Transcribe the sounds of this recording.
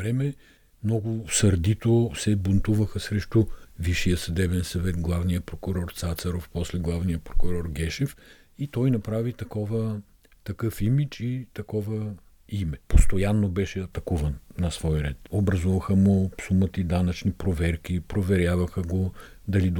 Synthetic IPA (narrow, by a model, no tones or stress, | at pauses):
vɾɛmɛ | mnɔɡʊsɐɾd̪it̪osɛbont̪uvəxɐsɾɛʃt̪uviʃijəsɐd̪ɛbɛnsɐvɛt̪ɡlˠavnijəpɾokʊɾɔɾt̪sat̪sɐɾofpɔslɛɡlˠavnijəpɾokʊɾɔɾɡɛʃɛf | it̪ɔjnɐpɾavit̪ɐkɔvə | t̪ɐkɤfimit͡ʃit̪ɐkɔvə | imɛpost̪ojanːobɛʃɛɐt̪ɐkuvɐnnɐsvɔjɾɛt̪obɾɐzuvɐxəmopsumət̪id̪anɐt͡ʃnipɾovɛɾk̟ipɾovɛɾʲjavɐxəɡo | d̪ɐlid̪